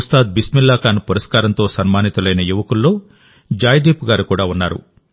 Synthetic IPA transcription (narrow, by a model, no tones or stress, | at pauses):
ust̪aːd̪̚bismilːaːkaːnupuɾɐskaːɾɐnt̪o̞ːsɐnmaːnit̪ulɐjnɐjuʋɐkulːo̞ː | d͡ʒaːjd̪eːpuɡaːɾukuːɽaːunːaːɾṵ